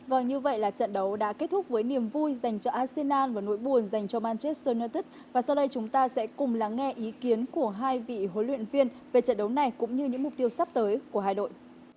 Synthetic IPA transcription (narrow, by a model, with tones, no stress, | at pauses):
və˨˩ŋɲɨ˧və̰˧˨jlaː˨˩t͡ɕə̰˧˨nɗə˨˦wɗa̰ː˧˥ke˦˥t̚t̪ʰʊ˦˥k͡p̚vəː˨˦jni˨˩əmvu˧jza˨˩jŋ̟t͡ɕɔ˧ʔaː˧se˧nʔaː˧nvaː˨˩no̰˧˥jɓu˨˩ənza˨˩jŋ̟t͡ɕɔ˧maː˧nt͡ɕe˦˥t̚səː˧nəː˧t̪i˦˥k̚vaː˨˩sa˧wɗə˧jt͡ɕʊ˨˦ŋ͡mt̪aː˧sɛ̰˧˥kʊ˨˩ŋ͡mlaː˨˩ŋɛ˧ʔi˨˦ki˨˦ənku˧˩əɦaː˧jvḭ˧˨ɦo˨˦lwḭ˧˨ənvi˧ənve˨˩t͡ɕə̰˧˨nɗə˨˦wna˨˩jkʊ̰˧˥ŋ͡mɲɨ˧ɲɨ̰˧˥ŋmʊ˨˩k͡p̚t̪i˧əwsa˦˥p̚t̪əː˨˦jku˧˩əɦaː˨˩jno̰˧˨j